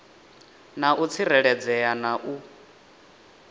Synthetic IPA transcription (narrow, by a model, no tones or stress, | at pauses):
naʔut͡sʰiɾɛɺɛd͡zɛjanaʔu